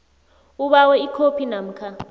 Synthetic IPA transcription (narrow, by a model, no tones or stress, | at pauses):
uɓawɛikʰopʰinam̩kʰa